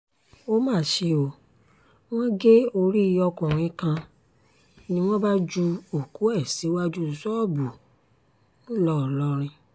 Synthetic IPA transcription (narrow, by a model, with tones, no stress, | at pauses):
o˦mãː˦˨ʃe˧o˨ | w̃ɔ̃˦ɡe˦o˧ɾi˦i˧ɔ˧kũ˨ɾ̃ĩ˨˦kã˧ | nĩ˧w̃ɔ̃˦ba˦d͡ʒu˧o˨ku˨˦ɛ˦˨si˨˦wa˦d͡ʒu˦˧sɔ˦˨bu˨ | nũ˦lɔ˦˨lɔ˦ɾ̃ĩ˧